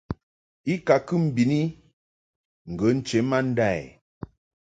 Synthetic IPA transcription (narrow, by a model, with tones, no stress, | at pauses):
i˦ka˨kɨ˦m̩˨bi˨ni˦ | ŋ̩˨ɡə˨˦n̩˦t͡ʃe˨˦ma˦n̩˦da˦˨j̰